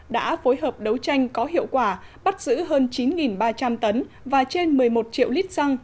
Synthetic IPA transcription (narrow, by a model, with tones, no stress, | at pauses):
ɗa̰ː˧˥fo˨˦jɦəː˨˩p̚ɗə˨˦wt͡ɕa˧jŋ̟kɔ˨˦ɦḭ˧˨əwkwaː˧˩ɓa˦˥t̚z̥ɨ̰˧˥ɦəː˧nt͡ɕi˨˦nŋi˨˩nɓaː˧t͡ɕa˧mt̪ə˨˦n | vaː˨˩t͡ɕe˧nmɨ˨˩əjmo˨˩t̚t͡ɕḭ˧˨əwli˦˥t̚sa˧ŋ